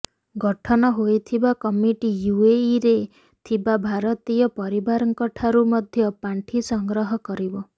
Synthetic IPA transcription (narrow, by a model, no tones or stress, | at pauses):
ɡɔʈʰɔnɔɦojt̪ʰibakɔmiʈijueiɾe | t̪ʰibabʱaɾɔt̪ijɔpɔɾibaɾɔŋkɔʈʰaɾumɔd̪ʱjɔpaɳʈʰisɔŋɡɾɔɦɔkɔɾibɔ